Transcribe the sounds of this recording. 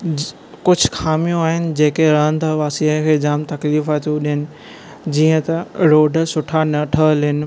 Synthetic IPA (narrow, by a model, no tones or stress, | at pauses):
kʊd͡ʑʱkʰaːmijõaːɦɪnɪ̆d͡ʑeːkeɾɐɦən̆t̪ʰaʋaːsiakʰeːd͡ʑaːmt̪ɐkliːfaːt̪uɗɪɦɪnɪ̆ | d͡ʑiːə̃t̪ɐɾoːɖʱsʊʈʰanɐʈʰəɦlənɪ̆